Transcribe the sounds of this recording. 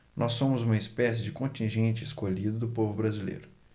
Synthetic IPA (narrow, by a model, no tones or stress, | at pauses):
nʔɔsːõmʊzũmɐɪspɛsɪd͡ʒɪkõt͡ʃĩʒẽt͡ʃɪɪskoʎid̪ʊd̪ʊpovʊbɾazilḛjɾʊ